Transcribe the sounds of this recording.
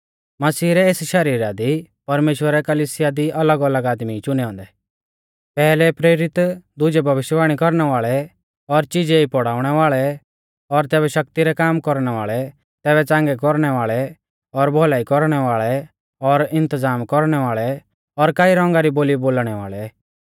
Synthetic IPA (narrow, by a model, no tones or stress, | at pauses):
mɐsiːɾɛeːsʃɐɾiːɾad̪i | pɐɾmeːʃwəɾɛkɐliːsɪjad̪iʔɐləɡɐləɡaːd̪mit͡ʃʊnɛɦɔ̃ːnd̪ɛ | pɛːlɛpɾeːɾɪt̪d̪ʊd͡ʒɛbʱɐʋɪʃʋaːɽ̃ikɔɾñɛʋaːɭɛ | ɔɾt͡ʃɪd͡ʒeipɔɽaːʊɽ̃ɛʋaːɭɛ | ɔɾt̪ɛːbɛʃɐk̚t̪iɾɛkaːmkɔɾɽ̃ɛʋaːɭɛ | t̪ɛːβɛt͡sãːŋɡɛkɔɾɽ̃ɛʋaːɭɛ | ɔɾbʱɔlaːikɔɾɽ̃ɛʋaːɭɛ | ɔɾɪ̃nt̪əd͡zaːmkɔɾɽ̃ɛʋaːɭɛ | ɔɾkaːiɾɔ̃ŋɡaɾiboːliboːlɽ̃ɛʋa̰ːɭɛ